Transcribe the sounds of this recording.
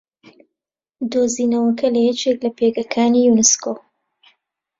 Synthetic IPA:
d̪oːzinɐwɐkʰɐlɐjɛt͡ʃeklɐpeɡɐkʰaːnijunɨsko

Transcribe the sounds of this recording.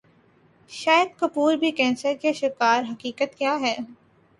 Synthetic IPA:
ʃaːjəd̪̚kɐpuːɾbʱikɛ̃ːnsəɾkeʃɪkaːɾɦɐkiːkət̪kjaːɦɛː

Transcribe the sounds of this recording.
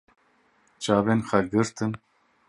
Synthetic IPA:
t͡ʃaːbenxaɡɨɾt̪ɨn

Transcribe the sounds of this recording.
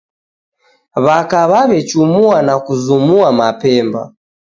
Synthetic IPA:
βakaβaβɛt͡ʃumuanakuzumuamapɛmba̰

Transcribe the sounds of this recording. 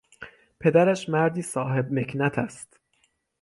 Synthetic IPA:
pʰe̞d̪æɾæʃmæɾd̪iːsɒːɦe̞b̚me̞kʰnæt̪ʰæst̪

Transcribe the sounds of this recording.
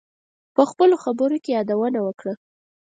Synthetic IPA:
pəxpəloxabəɾokejɑd̪awənawəkɽa

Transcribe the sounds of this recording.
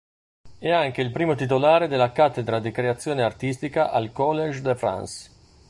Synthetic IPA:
ɛaŋk̟eilpɾiːmot̪it̪̬olaːɾed̪elːakat̪ːed̪ɾad̪ikɾeat̪sːjoːneart̪ist̪ikaʔalkɔlːed͡ʒd̪efɾa̰ns

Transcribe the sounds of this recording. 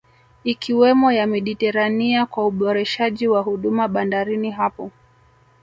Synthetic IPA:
ikiwɛmɔjamiɗitɛɾaniakwauɓɔɾɛʃaʄiwaɦuɗumaɓandaɾiniɦapɔ

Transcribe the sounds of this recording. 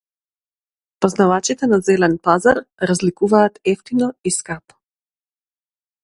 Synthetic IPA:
pɔznavat͡ʃit̪ɛnazɛlɛnpazaɾɾazlikuvaːt̪ɛft̪inɔiskap

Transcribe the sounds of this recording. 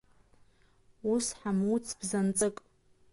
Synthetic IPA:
usħamut͡sʰb̥zant͡sʼɨkʼ

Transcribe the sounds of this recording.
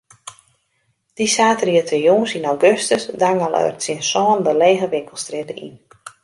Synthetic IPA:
d̥isaːtəriətʰəjuːnsinawɡøstəsdaŋalˠœ̰ɥtsiənsɔːndəleːɣəʋɪŋkəlˠstrɪtəḭn

